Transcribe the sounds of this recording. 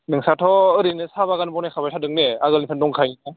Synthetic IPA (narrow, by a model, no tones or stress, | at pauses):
nɯŋsatʰɔɯɾinɯsabaɣanbɔnakʰabajsʰadɯŋneaɣɯlinpʰandɔŋkʰajɲia